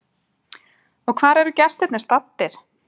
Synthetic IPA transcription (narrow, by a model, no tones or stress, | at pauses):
ɔɣkʰvaːðɾɛɾʏcɛst̪ɛt̪nɪ̥st̪at̪ːɪɾ̥